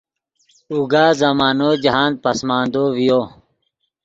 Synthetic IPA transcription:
uɡaːzɐmaːnoːd͡ʑɐɦaːn̚pɐsmaːnd̪oːʋijoː

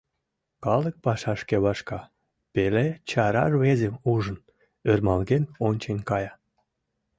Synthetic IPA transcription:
kɑlək̚pɑʃɑʃkeβɑʃkɑ | pelet͡ɕɑɾɑ̰rβezemuʒən | ørmɑlɣenonʲt͡ɕenʲkɑjɑ

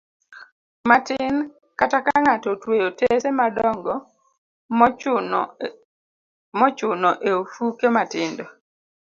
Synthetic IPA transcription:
matɪn | katakaŋatɔtwejotesemadɔŋɡɔ | mɔt͡ʃʊnɔʔeofukematɪndɔ

